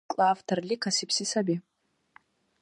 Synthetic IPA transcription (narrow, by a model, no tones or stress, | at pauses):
kʼlaːftʰarlʲikʰasipʰsisabi